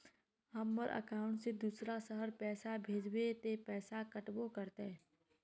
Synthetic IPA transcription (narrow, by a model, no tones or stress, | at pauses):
ɦɐmːəɾʔə̰kaːʊ̃ɳʈsed̪uːsɾasəɦəɾpɛːsabʱeːd͡ʒwet̪epɛːsakəʈbokəɾt̪e